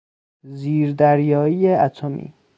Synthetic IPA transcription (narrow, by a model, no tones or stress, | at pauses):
ziːɾd̪æɾjɒːiːjeæt̪ʰomḭː